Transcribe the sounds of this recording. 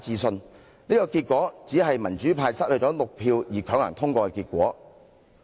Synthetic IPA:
t͡siː˧sɵ˧n | niː˥kɔː˧kiː˧t̚kʷɔː˨˥t͡siː˨˥ɦɐ˨jmɐ˨˩nt͡ʃyː˨˥pʰaː˧jsɐ˥t̚hɵ˨˧tt͡sɔː˨˥lʊ˨k̚pʰiː˧wjiː˨˩kʰœː˨˥ŋlɐ̰˨˩ŋt̪ʰʊ˥ŋkʷɔː˧kɛ˧kiː˧t̚kʷɔː˨˥

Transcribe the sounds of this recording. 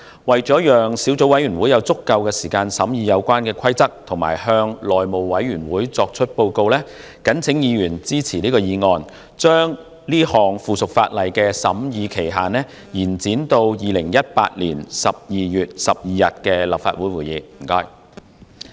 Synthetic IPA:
wɐ˨jt͡sɔː˨˥jœː˨ŋsiː˨˥wt͡so˨˥wɐ˨˥jɥyː˨˩nwuː˨˥jɐ˨˧wt͡sʊ˥kːɐ˧wkɛː˧siː˨˩kaː˧nsɐ˨˥mjiː˧jɐ˨˧wkʷwaː˥nkɛː˧kʷʰɐ˥jt͡sɐ˥k̚t̪ʰʊ˨˩ŋma̰ː˨˩jhœː˧ŋlɔː˨jmo˨wwɐ˨˥jɥyː˨˩nwuː˨˥jt͡sɔː˧k̚t͡ʃʰɵ˥t̚po˧wko˧wlɛː˥ | kɐ˨˥nt͡sʰɪ˨˥ŋjiː˨˧jyː˨˩nt͡siː˥t͡sʰiː˨˩liː˥kɔː˧jiː˨˧ŋɔː˧n | t͡ʃœː˥ŋ | liː˥hɔː˨˩ŋfuː˨sʊ˨k̚faː˧t̚lɐ˨jkɛː˧sɐ̰˨˥mjiː˨˧kʰe˨˩jɦaː˨˩nɛː˥ | jiː˨˩nt͡siː˨˥nt̪o˧wjiː˨˧lɪ˨˩ŋjɐ˥t̚pa̰ː˧t̚lḭː˨˩nsɐ˨p̚jiː˨jyː˨t̚sɐ˨p̚jiː˨˧jɐ˨t̚kɛː˧lɐ˨pfa̰ː˧t̚wuː˨˥jwuː˨˩jiː˨˧m̩˨˩kɔː˧˥j

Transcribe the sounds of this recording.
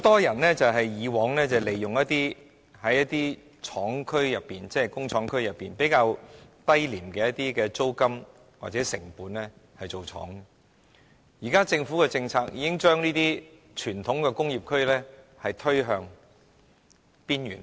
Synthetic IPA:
ho˧˥wt̪ɔː˥jɐ˨˩nlɛː˥t͡sɐ˨wɦɐ˨jjiː˨˧wɔː˨˥ŋlɛ˥t͡sɐ˨le˨˩jːʊ˨ŋjɐ˥t̪̚iː˥ | hɐ˨˥jːɐ˥t̚t̪iː˥ | t͡sʰɔː˨˥ŋkʰɵ˥ɥjɐ˨pːiː˨nt͡sɛː˥kʊ˥ŋt͡ʃʰɔː˨˥ŋkʰɵ˥ɥjɐ˨pːiː˨npe˨˥jkaː˧wt̪ɐ˥jliː˨˩mkɛː˧jɐ˥t̪̚iː˥kɛː˧t͡so˥wkɐ˥m | wa̰ː˨k̚t͡sɛː˨˥sɪ̰˨˩ŋpuː˨˥nlɛ˥ | hɐ˨jt͡so˨wt͡ʃʰɔ̰ː˨˥ŋ˨ | jiː˨˩kaː˥t͡sɪ˧ŋfuː˨˥kɛ˧t͡sɪ˧ŋt͡sʰaː˧k̚jiː˧kɪ˥ŋt͡ʃœː˥ŋniː˥t̪iː˥ | t͡ʃʰyː˨˩nt̪ʰʊ˨˥ŋkɛː˧kʊ˥ŋjiː˨p̚kʰɵ˥ɥlɛ˥ | hɐ˨jt̪ʰɵ˥ɥɦœː˨˧ŋ | piː˥njyː˨˩n

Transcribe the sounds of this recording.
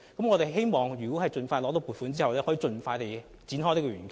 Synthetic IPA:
kɐ˨˥mŋɔ˨˧t̪e˨jɦe˥jmɔː˨ŋjy˨˩ko˨˥hɐ˨jt͡sɵ˧nfaː˧lɔ˨˥t̪o˨˥wpu˨t̚fu˨˥nt͡siː˥hɐ˨wlɛː˥hɔː˨˥i˨˧˥t͡sɵ˧nfaː˧jt̪e˨j | t͡si˨˥nɦɔ˥t̪i˥kɔː˧yː˨˩nk

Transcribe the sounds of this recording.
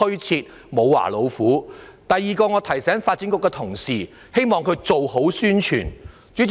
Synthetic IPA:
ɵ˥t͡sʰiː˧t̚ | mo˨˧wwa̰ː˨˩lo˨˧wfuː˨˥t̪ɐ˨jːiː˨kɔː˧ŋɔː˨˧t̪ʰɐ˨˩jsɛː˨˥ŋfaː˧t̚t͡siː˨˥kʊ˧kːɛː˧t̪ʰʊ˨˩ŋsiː˨ | he˥jmɔː˨ŋkʰɵ˨˧ɥt͡so˨who˨˥wsyː˥nt͡ʃʰy̰ː˨˩n | t͡ʃy˨˥

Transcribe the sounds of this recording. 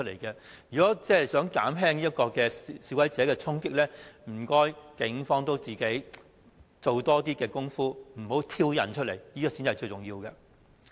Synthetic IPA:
t̚le˨˩jkɛ˧ | jyː˨˩kɔː˨˥t͡sɛː˥˩˨sœː˨˥ŋka̰ː˨˥mɦɛː˥ŋniː˥jɐ˥kɔː˧kɛː˧siː˧˩wɐ˨˥jt͡sɛː˨˥kɛː˧t͡sʰʊ˥ŋkɪ˥k̚lɛː˥m̩˨˩kɔː˥jkɪ˨˩ŋfɔː˥ŋt̪o˥wt͡siː˨ke˨˥j | t͡so˨wt̪ɔː˥t̪iː˥kɛː˧kʊ˥ŋfuː˥m̩˨˩ho˨˥wt̪ʰiː˥wjɐ̰˨˩nt͡ʃʰɵ˥le˨˩jjiː˥kɔː˧si˨˥nt͡sɐ˨jt͡ʃɵ˧ɥt͡sʊ˨ŋjiː˧wkɛ˧

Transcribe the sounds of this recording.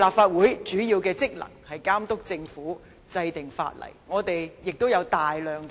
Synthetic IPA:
laː˨pfaː˧t̚wuː˨˥jt͡ʃyː˨˥jiː˧wkɛː˧t͡sɪ˥k̚lɐ̰˨˩ŋhɐ˨jkaː˥mt̪ʊ˥k̚t͡sɪ˧ŋfuː˨˥ | t͡sɐ˧jt̪ɪ˨ŋfa̰ː˧t̚lɐ̰˨˩jŋɔː˨˧t̪e˨jjɪ˨k̚t̪o˥wjɐ˨˧wt̪aː˨jlœː˨˧ŋ

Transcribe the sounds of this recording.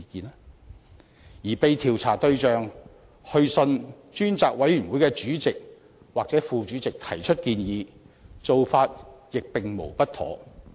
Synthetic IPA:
kiː˨˧nɛ˥ | jiː˨˩pe˨˧jt̪ʰiː˨˩wt͡sʰa̰ː˨˩t̪ɵ˧ɥt͡ʃœː˨ŋ | hɵ˧ɥsɵ˧n | t͡ʃyː˥nt͡saː˨k̚wɐ˨˥jɥyː˨˩nwuː˨˥jkɛː˧t͡ʃyː˨˥t͡sɪ˨k̚ | waː˨k̚t͡sɛː˨˥fuː˨˧t͡ʃyː˨˥t͡sɪ˨k̚t̪ʰɐ˨˩jt͡ʃʰɵ˥t̚kiː˧njiː˨˧ | t͡so˨wfaː˧t̚jɪ˨k̚pɪ˨ŋmo̰˨˩wpɐ˥t̪̚ʰɔ̰ː˨˥

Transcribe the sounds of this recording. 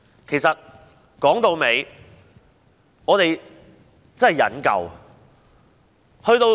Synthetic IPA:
kʰe˨˩jsɐ˨t̚ | kɔː˨˥ŋt̪o˨˧wme˨˧j | ŋɔː˨˧t̪e˨j | t͡sɐ˥ɦɛ˨˩jɐ̰˨˥nkɐ̰˨w | hɵ˧ɥt̪o˧

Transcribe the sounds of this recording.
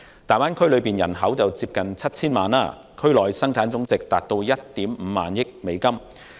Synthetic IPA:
t̪aː˨jwaː˥nkʰɵ˥lɵ˨˧ɥpiː˨njɐ̰˨˩nɦɐ˨˥wt͡sɐ˨wt͡siː˧p̚kɐ˨nt͡sʰɐ˥t̚t͡sʰiː˥nmaː˨na̰ː˧˥ | kʰɵ˥ɥlɔː˨˩jsɐ˥ŋt͡sʰaː˨˥nt͡sʊ˨˥ŋt͡sɪ˨k̚t̪aː˨˩t̚t̪o˧wjɐ˥t̚t̪iː˨˥mm̩˨˧maː˨njɪ˥k̚me˨˧jkɐ˥m

